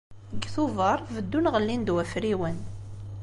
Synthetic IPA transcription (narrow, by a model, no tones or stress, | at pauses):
ɡθuvəɾˤvəd̪ːunʁəlːind̪wæfɾiwən